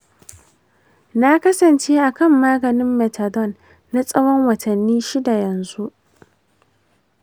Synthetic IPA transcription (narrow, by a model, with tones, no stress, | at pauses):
na˦kɐ˦sɐ˨nt͡ʃeː˦ʔa˨kɐ˦˨mːaː˦ɡɐ˨nɪ˦mːɛ˨ta˨dɔ˦˨nː | a˦sʼɐ˦wɔ˦ŋwɐ˨tɐ˨nːiː˦ʃi˦da˨jɐ˨nzu˦ʔ